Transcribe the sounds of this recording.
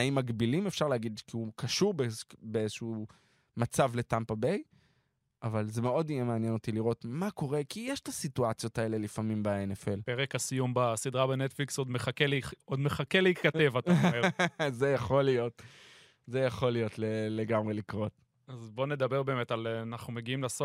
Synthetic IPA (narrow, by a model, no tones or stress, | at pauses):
aimːaɡbilimefʃaʁleːɡid̪kiukaʃuʁbebeezeʃu | mat͡savle̞tampabej | ʔavalze̞meodijemeanjeno̞t̪iliʁo̞t̪mako̞ʁekijeʃtasituat͡sjo̞tae̞le̞lifamimbaenefe̞lpeʁekasijumbasid̪ʁabenet̪fliksod̪meχakelod̪meχakeleitkatevata | zejaχo̞lijo̞t | zejaχo̞lijo̞tleleɡamʁe̞likʁo̞t | azbo̞ne̞d̪abeʁbe̞ːmet̪alnaχnumeɡiimlaso